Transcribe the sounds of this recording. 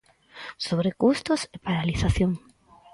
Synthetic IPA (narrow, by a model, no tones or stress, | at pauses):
soβɾekust̪ʊsepaɾaliθaθjoŋ